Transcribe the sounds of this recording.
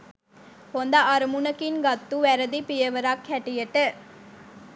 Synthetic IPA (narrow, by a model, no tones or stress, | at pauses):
hond̪aʔːɾəmunəkinɡat̪ːuʋæɾəd̪ipijəʋəɾakhæʈijəʈə